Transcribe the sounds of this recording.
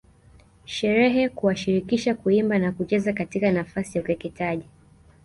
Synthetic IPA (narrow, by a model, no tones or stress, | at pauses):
ʃɛɾɛɦɛkuwaʃiɾikiʃakuimbanakut͡ʃɛzakatikanafasijaukɛkɛtaʄi